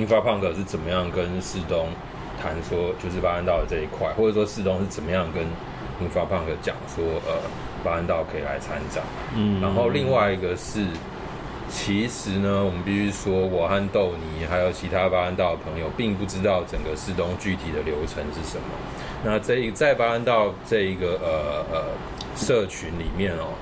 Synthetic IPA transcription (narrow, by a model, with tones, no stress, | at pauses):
i˥nfa˥pʰɑ˥˩ŋkʰɤ˨˩ʂ̬ɻ̩˥˩t͡sə˨˩nmə˦jɑ˥˩ŋkə˦nʂɻ̩˥˩t̪ʊ˥ŋ | t̪ʰa˧˦nʂwɔ˦˥t͡ɕjo˥˧ʊʂ̬ɻ̩˥˩pa˥˧nt̪ɑ˥˩ʊlə˩ʈ͡ʂɤ˥˩i˧˦kʰwa˥˧ɪxwɔ˥˩ʈ͡ʂə˨˩ʂwɔ˥ʂɻ̩˥˧t̪ʊ˥ŋʂɻ̩˥˩t͡sə˨˩nmə˩˦jɑ˥˩ŋkə˦n | i˥nfa˥pʰɑ˥˩ŋkʰɤ˨˩t͡ɕjɑ̰˨˩ŋʂwɔ˥ʔə˨˩ | fa˥a˥˧nt̪ɑ˥˩ʊkʰɤ˧˥i˨la̰˧˦ɪt͡sʰa˦nʈ͡ʂɑ̰˨˩˦ŋ | ɻa˧˦˥nxo˥˧ʊli˥˧ŋwa˥˩ɪi˧˥ɡə˨ʂɻ̩˥˩ | t͡ɕʰi˧˥ʂɻ̩˨˥nə˧wɔ˨˩mə˦npi˥˩ɕy˧˥ʂwɔ˥wɔ˨˩xa˥˧nt̪o˥˨ʊni˨˧˥ha˧ɪjo˨˩ʊt͡ɕʰi˧˥t̪ʰa˥fa˥ə˥˧nt̪ɑ˥˩ʊd̪ə˩pʰɤ˧˦ŋjo˨˩ʊpi˥˧ŋpu˥˩ʈ͡ʂɻ̩˥t̪ɑ˥˩ʊʈ͡ʂə˨˩ŋɡə˩ʂɻ̩˥˩t̪ʊ˥ŋt͡ɕy˥˩t̪ʰi˨˩d̪ə˩ljo˧˥ʊʈ͡ʂʰə˧˥ŋʂɻ̩˥˩ʂə˧˦nmə̰˨ | na˥˧ʈ͡ʂɤ˥˩i˦˩t͡sa˥˩ɪpa˥ə˥˧nt̪ɑ˥˧ʊʈ͡ʂɤ˥˧i˧˥ɡə˨ə˨˩ə˩ | ʂɤ˥˨t͡ɕʰy˧˦nli˨˩mjɛ˥˨nɔ˨˩